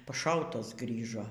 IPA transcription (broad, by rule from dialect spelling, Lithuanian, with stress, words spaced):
pɐˈʃɐʊtɐs ˈɡrʲiːʒoː